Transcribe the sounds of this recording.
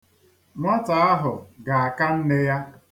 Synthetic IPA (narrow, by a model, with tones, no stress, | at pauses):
ŋʷa˦ta˨a˦ɦʊ˨ɡa˨a˨ka˦n̩˦ne˦ja˦